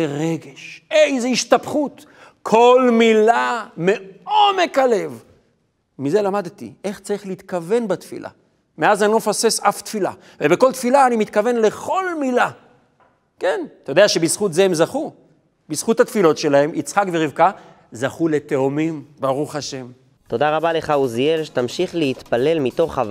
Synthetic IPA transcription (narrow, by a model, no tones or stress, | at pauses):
eʁe̞ɡeʃejzeiʃtapχut̪ | kʰo̞lmilame̞ome̞kale̞v | mize̞lamad̪t̪ḭʔe̞χt͡saʁiχleit̪kave̞nbat̪fḭlʔa̰ | me̞azanlofase̞saft̪fila̰ | vebeko̞lt̪filaːnimit̪kave̞nle̞χo̞lmila | ke̞nt̪ajodeaʃe̞bisχut̪zeemzaχu | bisχut̪hat̪filo̞tʃe̞lahe̞mʔit͡sχakveʁivka | zaχule̞t̪eomimbaʁuχaʃe̞m | t̪o̞d̪aʁabale̞χauzielʃet̪amʃiχleit̪pale̞lmit̪o̞χav